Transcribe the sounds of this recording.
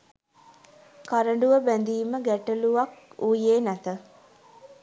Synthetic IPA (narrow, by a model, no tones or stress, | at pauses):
kaɾəɳɖuʋəbænd̪iːməɡæʈəluʋakuːjeːnæt̪ə